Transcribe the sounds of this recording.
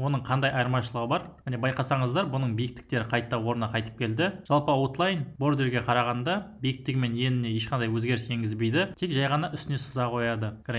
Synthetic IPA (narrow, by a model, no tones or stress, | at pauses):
wo̞nəɴqʰɑnd̪ɑjɑjɾmɑʃəlˠəʁəbɑɾmɪne̞bɑjqɑsɑɴəzd̪ɑɾbʊnəɴbijɪk̚t̪ɪ̥k̚t̪e̞ɾɪqʰɑjt̪ːɑwo̞ɾənɑqʰɑjt̪ə̥p̚kʲʰe̞ld̪ɪʒ̥ɑlˠpəwo̞t̪lˠɑjnbo̞ɾd̪e̞ɾɡʲe̞qʰɑɾɑʁɑnd̪ɑbijɪk̚t̪ɪɡʲɪme̞nje̞nɪne̞je̞ʃqɑnd̪ɑjwɵzɡʲe̞ɾɪsje̞ŋɡʲɪzbe̞jd̪ɪt̪ʰe̞kʒɑjʁɑnɑʔʏst̪ɪne̞sə̥zɑqʰo̞jɑd̪əkʲɾ